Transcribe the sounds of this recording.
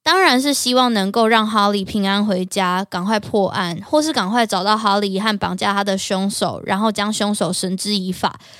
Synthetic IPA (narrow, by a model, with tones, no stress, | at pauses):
t̪ɑ˥ŋɻa˧˦nʂ̬ɻ̩˥˨˩ɕi˦˥wɑ˥˩ŋnə˧˦ŋko˥˧ʊɻɑ˥˩ŋɦɑ˧˥ʊli˨˩pʰi˧˥ŋa˥nxwe˧˥ɪt͡ɕja˦˥kɑ˨˩ŋxwa˥˧ɪpʰwɔ˥˧ʔa˥˨nxwɔ˥˧ʂ̬ɻ̩˥˩kɑ˨˩ŋkʰwa˥˩ɪʈ͡ʂɑ˨˩ʊt̪ɑ˥˩ʊxɑ˧˥ʊli˨˩xa˥˩npɑ˨˩ŋt͡ɕja˥˩t̪ʰa˥d̪ə˨ɕjɔ˥ŋʂo˨˩ʊɻʔa̰˧˦nxo˥˩ʊt͡ɕjɑ˥˦ŋɕɔ˥ŋʂo˨˩ʊʂə˧˥nʈ͡ʂɻ̩˥i˧˥fa̰˨˩˦